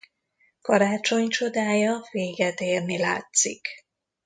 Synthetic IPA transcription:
kɒɾaːt͡ʃo̞ɲt͡ʃo̞d̪aːjɒveːɡɛt̪eːrnila̰ːt̪sik

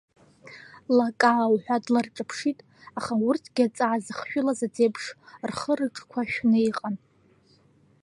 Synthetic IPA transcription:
lakʼawħʷᶣadlarʈ͡ʂʼapʰʂitʼ | aχaurtʰɡʲat͡sʼaʕazɨχʃᶣʊlazad͡zebʰʂrχəɾɨʈ͡ʂʼkʷʰaʃᶣnɨiqʼan

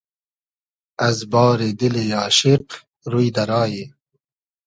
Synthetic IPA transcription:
ɐzbɑːɾed̪ɪlejɑːʃɪq | ɾujd̪ɐɾɑːje

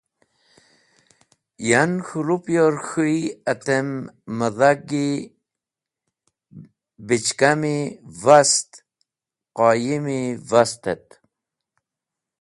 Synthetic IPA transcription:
janxulupjoɾxuiat̪emːəðaɡi | bit͡ʃkamivast̪ | qɑːjimivast̪et̪̚

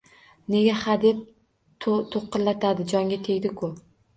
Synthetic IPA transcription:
ne̞ɡʲahad̪e̞p̚ʰ | t̪ʰoqːɨlːat̪ʰad̪ɪd͡ʒɒŋɡʲat̪ʰeɡʲd̪ɪkʰʊ

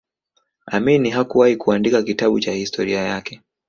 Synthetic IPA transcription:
aminiɦakuwahikuandikakitaɓut͡ʃahistʰɔɾiajakɛ

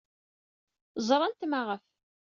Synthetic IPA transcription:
zˤɾˤɑnt̪maʁəf

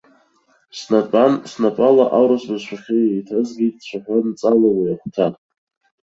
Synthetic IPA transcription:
snapʼansnapʼalaʔawɾasbazʃʰʷaχʲeejtʰazɡʲitʼt͡ɕʷʰaħʷant͡sʼalawijaχʷtʰa

